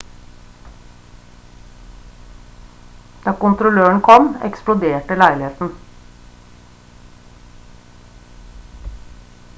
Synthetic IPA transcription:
d̪̥ɑːkʊnt̪ɾʊløːəɳ̩kʰɔmɛ̰ksplʊd̪eːʈəlæɪlɪheːt̪n̩

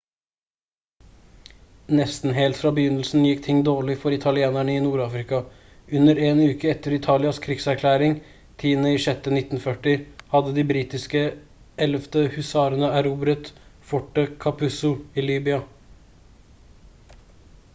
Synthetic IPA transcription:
nɛst̪n̩ɦeːlt̪fɾɑːbəjʏnəlsn̩jɪkːt̪ʰɪŋːd̪oːɭɪfɔɾɪt̪ʰɑlɪeːnæɳəiːnuːɾɑːfɾɪkɑ | ʉnəɾeːnʉːkəɛt̪əɾɪt̪ʰɑːlɪɑskʰɾɪɡsæɾkʰlæːɾɪŋ | t̪ʰiːnəiʂɛt̪ːənɪt̪n̩fœʈɪhɑd̪əd̪iːbɾiːt̪ɪskə | ɛləft̪əhʉsɑːɾənəæɾuːbɾət̪fɔʈːəkʰɑpʰʉsʊiːliːbʏɑ

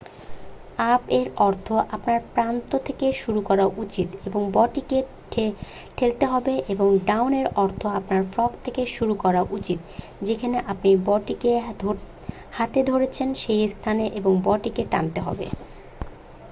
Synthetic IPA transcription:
abeɾɔɾt̪ʰoʔapnaɾpɾant̪ot̪ʰekeʃuɾukɔɾaʔut͡ɕit̪eboŋbɔʈike | ʈʰelt̪eɦɔbeʔeboŋɖawneɾɔɾt̪ʰoapnaɾfɾɔkt̪ʰekeʃuɾukɔɾaʔut͡ɕit̪ | d͡ʑekʰaneʔapnibɔʈikeo | hat̪ed̪ʱoɾet͡ɕʰenʃejst̪ʰaneʔeboŋbɔʈikeʈa̰nt̪eɦɔ̰bḛ

